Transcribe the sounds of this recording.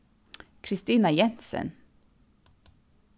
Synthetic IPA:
kʰɾɪst̪iːnajɛnsə̰n

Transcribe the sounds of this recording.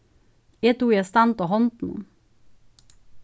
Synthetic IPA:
eːt̪uːjɛst̪ɑnt̪oɦɔnt̪n̩ṵ

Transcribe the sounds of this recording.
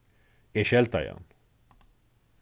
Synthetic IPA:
eʃɛlt̪ɑjɑ̰n

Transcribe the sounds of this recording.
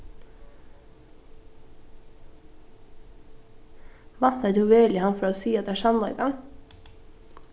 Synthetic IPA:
ʋɑnt̪ət̪hʉʋeːlɪhɑnfɔɾoːsiːɑt̪æːʃɑmɑḛɡɑŋ

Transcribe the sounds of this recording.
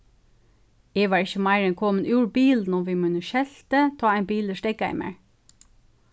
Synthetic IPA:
eːʋɑːɹɪçəmæɪɹɛnkʰɔmənʔuːɹbiːln̩ʊmʋiːmʉnəʃɛlt̪ət̪ʰɑːæɪnbiːləʃtɛɡ̚ɡæɪmæ̰ɹ

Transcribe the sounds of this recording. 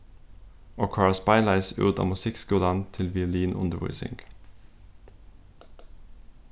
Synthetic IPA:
oːkʰɑːɭɑspɑɪlæɪsʉ̰ːd̪ɑ̰ːmʉsɪkskʊd̪ɑnt̪ʰɪlʋɪʉliːnʔʊ̰nd̪əʋʊ̰ʏsɪ̰ŋɡ̥

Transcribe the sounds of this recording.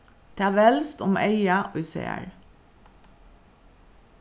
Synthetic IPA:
t̪ʰæːʋɛlst̪ʊmʔeɪɑʔʉsḛːæ̰ɹ

